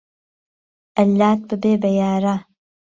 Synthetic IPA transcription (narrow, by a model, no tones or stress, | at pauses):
ʔɐlːaːt̪̚bɨbeːbɐjaːɾa